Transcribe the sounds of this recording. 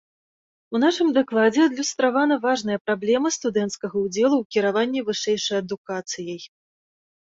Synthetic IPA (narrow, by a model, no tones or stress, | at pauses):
unaʂɨmd̪aklˠad͡zʲɛɐd̪lʲust̪ɾavanɐvaʐnɐjɐpɾablʲɛmɐst̪ud̪ɛnt̪skɐɣɐud͡zʲɛlˠuwkʲiɾavanʲːɛvɨʂɛjʂɐjɐd̪ukat̪sɨjɐj